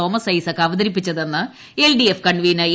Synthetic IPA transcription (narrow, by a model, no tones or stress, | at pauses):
o̞ːmɐsɐjsɐkːɐʋɐd̪ɐɾip̬ːit͡ɕːɐðenːɨ | e̞lɖiefkɐɳʋiːnɐ